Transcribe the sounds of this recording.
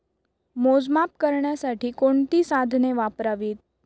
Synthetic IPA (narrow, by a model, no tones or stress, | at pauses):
mod͡ʒmap̚kəɾɳasaʈʰikoɳt̪isad̪ʱneʋapɾaʋit̪̚